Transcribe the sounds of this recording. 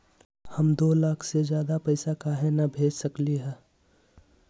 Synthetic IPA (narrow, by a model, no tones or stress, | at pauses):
həmd̪oːlaːkʰsed͡ʒjaːd̪apəɪsakaːɦenabʱeːd͡ʒsəkliɦɛː